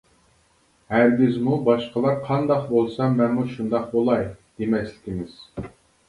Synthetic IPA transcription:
hæɾɡʲizmubɑʃqəlˠɑɾqʰɑnd̪ɑqbolˠsɑmɛnmuʃund̪ɑq̚bolˠɑjd̪̥emɛslɪ̥kʲimɪz̥

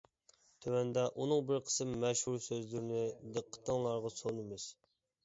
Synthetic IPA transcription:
t̪ʰøwɛnd̪ɛʔunɨŋbɪɾqʰə̥sɨmːɛʃhuɾsøzlyɾnɪd̪əqʰːə̥t̪ʰːəŋlˠɑɾʁɑsonɨmɪz̥

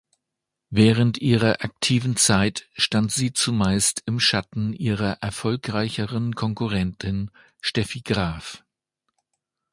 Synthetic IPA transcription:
vɛːʁəntʔiːʁɐʔak̚tʰiːvn̩t͡saɪtʃtantz̥iːt͡sumaɪstʰɪmʃatn̩ʔiːʁɐʔɛɐfɔlkʁ̥aɪçəʁənkʰɔŋkuʁɛntʰɪn | ʃtɛfiɡʁaːf

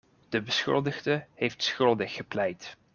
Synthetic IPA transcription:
d̥əbəsxɵ̰lˠdəɣdəhejftsxɵlˠdəxəplɛjt

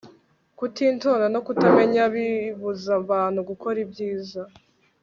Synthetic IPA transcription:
kutinto̞ːndano̞kutame̞ɲaβiβuzaβaːn̥huɡuko̞ɾibɟiːza

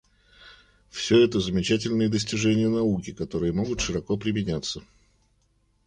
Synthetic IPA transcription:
fsʲɵɛt̪əzəmʲɪt͡ɕætʲɪlʲnɨjəd̪əsʲtʲɪʐɛnʲɪjənɐukʲɪkɐt̪o̞ɾɨjəmo̞ɡʊt̪ʂɨɾɐko̞pɾʲɪmʲɪnʲat̪sːə

